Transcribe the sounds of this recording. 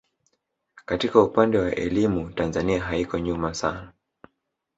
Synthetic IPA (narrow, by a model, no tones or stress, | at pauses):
katikaupandɛwaʔɛ̰limutanzaniaɦaikɔɲumasa̰na